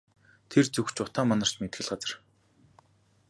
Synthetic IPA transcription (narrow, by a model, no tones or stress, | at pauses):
t̪ʰert͡sɵxt͡ɕʊt̪aːmanə̆r̥t͡ɕmet̪xɘ̆ɮɢat͡sə̆r